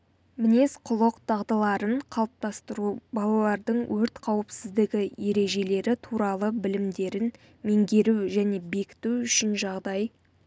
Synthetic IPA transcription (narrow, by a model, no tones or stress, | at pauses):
mɪnesqʰʊlˠəqt̪ʰɑʁd̪ɑlˠɑɾəɴqʰɑlˠəp̚t̪ɑst̪əɾubɑlˠɑlˠɑɾd̪əɴwʔɵɾt̪qʰɑwəpsɪzd̪ɪɡʲɪje̞ɾe̞ʒe̞le̞ɾɪt̪ʰuɾɑlˠəbɪlɪmd̪e̞ɾɪn | me̞ŋɡʲe̞ɾuʒæne̞be̞kʲɪ̥t̪uʏʃɪnʒɑʁd̪ɑj